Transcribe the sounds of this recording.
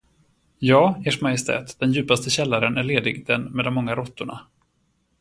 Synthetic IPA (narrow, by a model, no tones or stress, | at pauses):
jɑːeːʂmajɪst̪ʰɛ̰ːt̪d̪̥ɛnjʉ̟ːpast̪əɕɛlːaɾənæɭeːd̪ɪɡd̪ɛnmɛd̪ɔmːɔŋːaɾɔt̪ːʊɳa̰